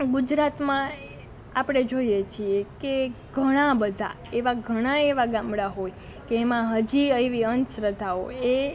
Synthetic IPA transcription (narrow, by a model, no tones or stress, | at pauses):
ɡud͡ʒɾat̪mã | apɽ̃ed͡ʒoijet͡ʃʰiekeɡʱəɽ̃ãbəd̪ʱa̰ | eʋaɡʱəɽ̃aeʋaɡãmɽaɦoj | keːmãɦəd͡ʒiəeʋiənt̪sɾət̪aoe